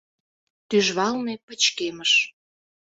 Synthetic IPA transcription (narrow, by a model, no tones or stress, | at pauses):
t̪yʒβɑlmepət͡ɕkeməʃ